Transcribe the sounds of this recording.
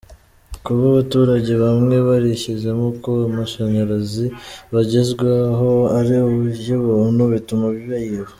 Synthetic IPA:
kuβaβatuːɾaɟe̞βamŋe̞βaɾeçeʒe̞mokoamaʃaɲaɾaziβaɟezɡwaɦoaɾiuβueβonuβitumaβiβajiβo

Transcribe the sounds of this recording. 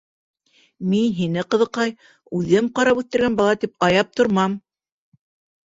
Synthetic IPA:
minɦinɘqɤ̆ðɤ̆qɑj | ʉðɘmqɑɾɑpʉθt̪ɘ̆ɾɡænbɑlˠɑt̪ip̚ɑjɑp̚t̪ŏɾmɑm

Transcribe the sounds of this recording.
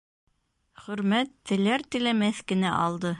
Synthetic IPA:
χɵ̆ɾmæt̪ːɘ̆læɾt̪ɘ̆læmæθkɘ̆næʔɑlˠd̪ɤ

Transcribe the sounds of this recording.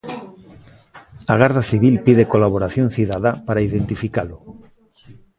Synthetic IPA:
aɣ̞aɾðaθiβ̞ilpiðekolaβoɾaθjõnθiðaðapaɾaiðent̪ifikalʊ

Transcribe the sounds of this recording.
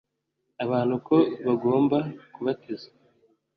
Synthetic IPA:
aβaːn̥huko̞βaɡo̞ːmbakuβatizḁ

